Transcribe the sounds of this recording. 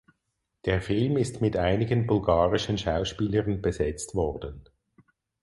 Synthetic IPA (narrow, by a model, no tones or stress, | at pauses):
d̥eːɐfɪlmɪstmɪtʔaɪnɪɡənbʊlɡaːʁɪʃənʃaʊʃpiːləʁənbezɛt͡stvɔʁdən